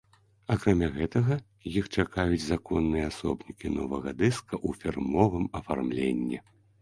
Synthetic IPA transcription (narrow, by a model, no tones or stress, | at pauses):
akɾamʲaɣɛt̪ɐɣɐ | jixt͡ʂakajut͡sʲzakɔnːɨjɐasɔbnʲikʲinɔ̰vɐɣɐd̪ɛskɐʔufʲirmɔvɨmɐfa̰rmlʲḛnʲːɛ̰